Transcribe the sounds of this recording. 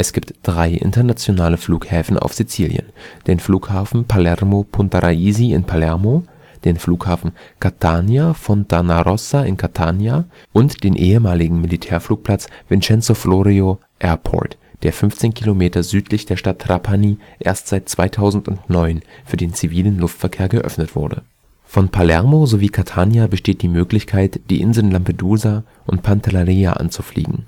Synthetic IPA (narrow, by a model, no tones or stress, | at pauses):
ʔɛsɡ̥iːptd̥ʁaɪʔɪ̰ntɐnat͡sjonaːləfluːkhɛːfn̩a̰ʊfz̥it͡siːljə̰nd̥eːnfluːkhaːfn̩pʰalɛʁmopʰʊntaʁa̰iːziɪ̰npʰalɛɐmo | d̥eːnfluːkhaːfn̩kʰatʰaːnjafɔntʰanaʁɔsaɪnkʰatʰaːnja | ʔʊntd̥eːnʔeːəmaːlɪɡŋ̩militʰɛːɐfluːk̚pʰl̥at͡sv̥ɪnt͡ʃɛnt͡soflɔʁio | ʔɛɐpʰɔ̰ɐt | d̥eːɐfʏnft͡seːnkʰilomeːtɐzyːtʰlɪçd̥eːɐʃtatʰːʁ̥apʰaniː | ʔḛːɐstz̥aɪt̚t͡sv̥aɪtʰaʊzn̩tʊ̰ntnɔʏnfyːɐdeːnt͡siviːlənlʊftfɛɐkʰeːɐɡəʔœ̰fnətv̥ʊ̰ɐdə̰ | fɔnpʰalɛɐmozoviːkʰatʰaːnjabəʃteːt̚d̥iːmøːklɪçkʰaɪtd̥iːʔɪnzl̩nlampeduːza | ʔʊnt̚pʰantalaʁiːa̰ʔa̰nt͡su̥flḭːɡŋ̩